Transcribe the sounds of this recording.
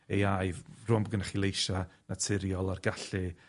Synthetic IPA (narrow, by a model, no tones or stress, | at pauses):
ejajvrʊmbəɡənaχilˠejʃanatʰɪɾjɔlˠarɡaɬɨ